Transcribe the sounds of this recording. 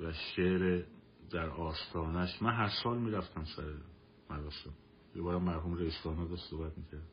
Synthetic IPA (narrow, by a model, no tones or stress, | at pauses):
væʃeɾe | d̪æɾɒːst̪ʰɒːnæʃmænɦæɾsɒːlmiːɾæft̪ʰæmsæɾe | mæɾɒːsen | jebɒːɾæmːæɾɦuːmɾeist̪ɒːnɒːd̪ɒʃsohbæt̪miːcʰæɾd̪